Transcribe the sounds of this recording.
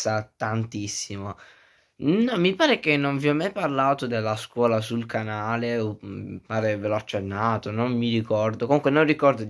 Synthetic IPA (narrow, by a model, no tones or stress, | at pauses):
at̪ant̪isːimo | nɔmːipaːɾekenːonvjɔmːajparlaːt̪od̪elːaskwɔːlasulkanaːlepːaːɾeveloat͡ʃːenːaːt̪onommiɾikɔrd̪okomuŋkwenorikɔrd̪o